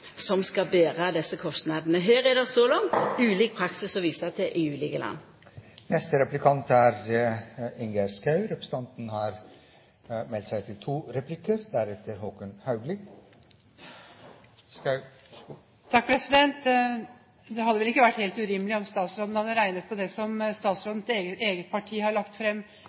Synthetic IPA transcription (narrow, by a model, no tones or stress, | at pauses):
sɔmskɑbeːʁəɑd̪ɛsːəkʰɔst̪nɑd̪nəɦeːɾɛd̪ɛsɔlɑŋt̪ʉːliːk̚pʰɾɑksɪsɔʋiːsɑt̪ʰɛʔɪjʉːlɪɡəlʔɑ̰nː | nɛst̪əɾɛplɪkʰɑnt̪æɾ | ɪŋɡəɾskɑʉɾɛpʰɾəsə̥t̪ʰɑnt̪nhɑɾ | mɛlt̪sæɪt̪ʰɪlt̪ʰuːɾɛplɪkəɾd̪æɾɛt̪ʰəɾhoːkənhɑʉɡlɪ | t̪ʰɑkːfɔɾɛsɪd̪ɛnt̪ | d̪ɛhɑd̪ːəʋɛlɪkːəʋæʈːheːlt̪ʉɾɪməlɪɔmst̪ɑːt̪sɾoːd̪n̩hɑd̪əɾæɪnət̪̚pʰɔd̪ɛsɔmst̪ɑːt̪sɾoːd̪n̩t̪eːɡəeːɡət̪̚pʰɑʈʰiːhɑɭɑkt̪fɾɛmː